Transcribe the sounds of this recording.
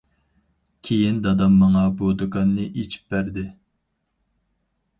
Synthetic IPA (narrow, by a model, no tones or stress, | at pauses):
kʲʰejind̪ɑd̪ɑmːɑŋɑbod̪ɨkɑnːɨʔet͡ʃʰi̥p̚bæɾd̪ɪ